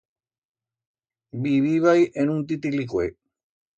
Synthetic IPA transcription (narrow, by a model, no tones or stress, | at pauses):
biβiβajʔenũnt̪̬it̪̬ilikwʷe